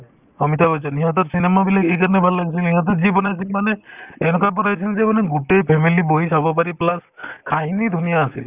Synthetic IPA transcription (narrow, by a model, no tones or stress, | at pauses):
ɔmit̪ʰabɔjsʰɔniɦat̪̬ɔtsinɛmabilaɡejkaɹanɛbʱalːaɡis̬ilniɦat̪̬ɔtzibɔnajs̬ilmanɛɛnɔkabɔnajsʰinzɛmanɛɡutejpʰɛmiliboɦisabɔp̬aɾiplaskʰaɦinid̪ʱunijaːsḭl